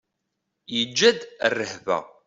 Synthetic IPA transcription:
jəd͡ʒːæd̪ərːəhvæ̰

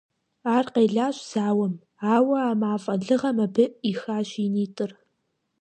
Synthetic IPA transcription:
aːrqeːɮaːɕz̥aːwɐm | aːwɐaːmaːfʼɐɮɨʁɐmɐbɨʔixaːɕiniːtʼɨr

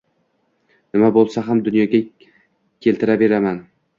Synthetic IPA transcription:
nɪmabolˠsaɦamd̪ʊnjɒɡʲa | kʲʰe̞lt̪ʰɪɾabe̞ɾaman

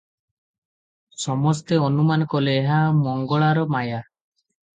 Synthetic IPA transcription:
sɔmɔst̪eonumankɔleːɦamɔŋɡɔɭaɾɔmaja

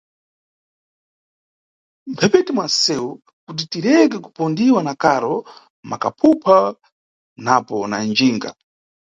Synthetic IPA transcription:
m̩pʰɛpɛtimwasɛu | kut̬itiɾɛkɛku̥pɔndiwanakaɾɔ | maka̰pʰupʰa | napɔnand͡ʒiːŋɡa̰

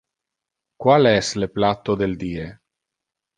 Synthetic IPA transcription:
kwalɛsleplat̪od̪eld̪iːe

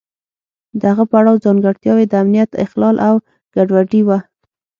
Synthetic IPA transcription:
d̪əhaɣəpəaɽɑwd͡zɑŋɡəɽt̪jɑwed̪əamnijat̪ɪ̰xlɑlʔaw | ɡ̥aɖwaɖiwa

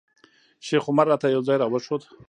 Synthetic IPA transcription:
ʃeχʊmaɾːɑt̪ajawzɑjɾɑwəʈ͡ʂʰod̪

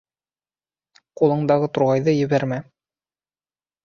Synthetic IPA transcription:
qulˠɤ̆ɴd̪ɑʁɤt̪ŏɾʁɑjðɤjɘ̆βæɾmæ

